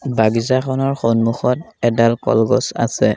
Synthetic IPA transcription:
baɡizakʰɔnɔɹxɔnmuxɔtɛdalkɔ̰lɡɔsa̰sɛ

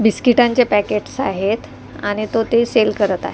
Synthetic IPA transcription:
biskiʈãɲt͡ɕepækeʈsa̰ɦet̪ | aɽ̃it̪ot̪eselkəɾət̪a̰ɦe

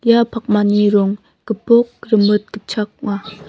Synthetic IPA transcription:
japʰak̚maniɾɔŋ | kəpok̚ɾəmɯt̚kət͡ʃʰak̚ŋa

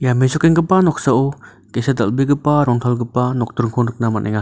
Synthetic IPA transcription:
jamezɔkeŋɡɯpanɔk̚saʔo | kesadalbiɡɯpaɾɔŋtʰalɡɯpanɔk̚tuɾŋkʰɔnɯk̚namanʔḛŋa

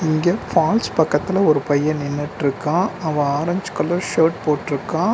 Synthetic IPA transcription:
ɪŋɡɐfaːlspɐkːɐt̪ːɪlɐɔɾɯpɐjːɐ̃nɪnːɯʈːɪɾɯkːãːɐʋɐ̃aːɾɐɲd͡ʒ̥kɐlːɐ̃ʂeːʈ̚poːʈːɪɾɯkːãː

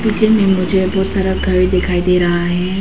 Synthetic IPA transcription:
pid͡ʒemẽmʊ̃d͡ʒebɔːt̪saɾəɡʱəɾid̪ekʰaːid̪eɾəɦaːɦe

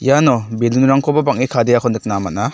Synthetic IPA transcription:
janɔbelunuɾaŋkʰɔbabaŋikʰadejakʰɔndɯk̚namana

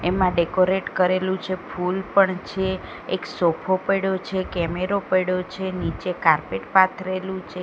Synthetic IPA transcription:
emãɖekoɾeʈkəɾelũt͡ʃʰepʰulpəɳt͡ʃʰeː | ksopʰopəɽot͡ʃʰekɛmeɾopəɽot͡ʃʰenit͡ʃekaɾpeʈpat̪ʰɾelũt͡ʃʰe

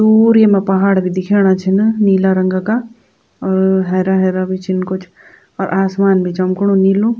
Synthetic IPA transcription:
d̪uːɾemẽpɐɦaːɽbʱid̪ɪkʰeːɽ̃at͡ʃʰɪnniːlaɾɐŋɡaka | ɔɾɦɛːɾaɦɛːɾabʱit͡ʃʰɪnkʊt͡ʃʰ | ɔːɾʔaːsmaːnbʱit͡ʃɐmkɽ̃ũniːlũ

